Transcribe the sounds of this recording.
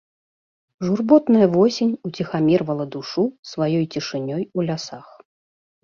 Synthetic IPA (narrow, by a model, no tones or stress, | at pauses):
ʐurbɔt̪nɐjɐvɔsʲenʲut͡sʲixamʲɛrvɐlˠɐd̪uʂusvajɔjt͡sʲiʂɨnʲɔjulʲasax